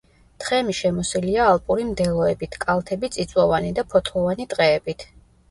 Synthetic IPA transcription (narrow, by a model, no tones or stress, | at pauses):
t̪ʰχɛmiʃɛmɔsiliaːlˠpʼuɾimd̪ɛlˠɔɛbit̪ʰkʼalˠt̪ʰɛbit̪sʼit̪sʼwɔvanid̪apʰɔt̪ʰlɔvanit̪ʼqʼɛːbit̪ʰ